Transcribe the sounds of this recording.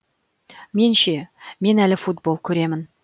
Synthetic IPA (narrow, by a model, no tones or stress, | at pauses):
me̞nʃe̞me̞nælɪfut̪̚bo̞lˠkʲʰɵɾe̞mɪn